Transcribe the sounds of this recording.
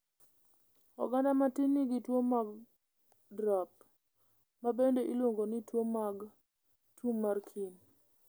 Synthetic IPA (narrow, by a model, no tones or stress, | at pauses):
ɔ̰ɡandamatɪnːɪɡɪtwomaɡ | dɾap̚ | mabendeʔilwoŋɡonɪtwomaɡ | tʰumːarkʰin